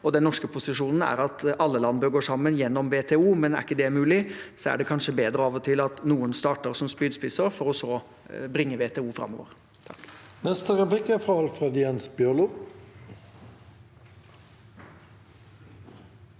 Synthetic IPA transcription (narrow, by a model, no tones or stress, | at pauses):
ɔd̪ɛnnɔʂkəpʰʊsɪʂuːnn̩æ̰ɾɑt̪ɑlːəlɑnbøːɡoːʂɑmːənjɛnːɔmʋeːt̪ʰɛːuːmɛnæ̰ɾɪkːəd̪ɛmʉːlɪsɔæ̰ɖɛkʰɑnʂəbeːd̪ɾəɑːʋɔt̪ʰɪlɑt̪nuːənst̪ɑːʈəɾsɔmspyːd̪spɪsəɾfɔɾɔsɔ | bɾɪŋːəʋeːt̪ʰɛːuːfɾɑ̰mːɔ̰ʋə̰ɾ | t̪ʰnɛst̪əɾɛplɪkəfʁɑɑlfʁed̪jɛnsbjølʊ